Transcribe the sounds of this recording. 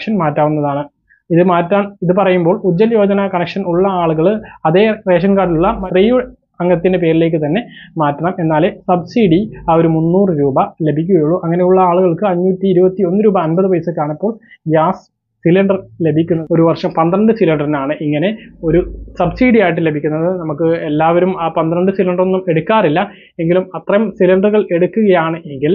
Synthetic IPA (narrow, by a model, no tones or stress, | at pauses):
ʂɐnmaːtːaːʋunːɐðaːɳɨ | iðɨmaːtːaːmiðɨpɐrɐjumbo̞ːɭud̪ːɐljo̞ːd͡ʑɐnɐkɐnɐkʂɐnuɭːɐaːɭuɣɐɭɐðe̞ːre̞ːʂɐnkaːɖiluɭːɐmɐriːju | ɐŋːɡɐt̪ːinde̞p̬e̞ːɾile̞ːk̬ːɨt̪ɐnːe̞maːtːɐɳɐme̞nːaːlesɐbsiɽiao̞ɾumunːuːrɨɾuːbɐle̞bʱikʲːuɣɐjuɭːuʔɐŋːɐne̞juɭːɐaːɭuɣɐɭkɨɐɲːuːtːiːɾubɐt̪ːio̞nːɨɾuːbɐːnbɐðɨʋɐjɐsɨkaːɳipːo̞ːɭjaːs | silɐɳɖɐrle̞bʱikʲːunːɐo̞ɾuʋɐrʂɐmpɐnd̪ɾɐɳɖɨsilɐɳɖɐrinaːɳɨʔiŋːɐne̞o̞ɾusɐbsiːɽijaːjiʈ̬ːɨle̞bʱikʲːunːɐðɨnɐmukːɨe̞lːaːʋɐɾumaːpɐnd̪ɾɐɳɖɨsilɐɳɖɐronːume̞ɽukːaːrilːɐ | e̞ŋɡilumɐt̪rɐɐmsilɐɳɖɐrɣɐɭe̞ɽukːuɣɐjaːɳɨe̞ŋɡil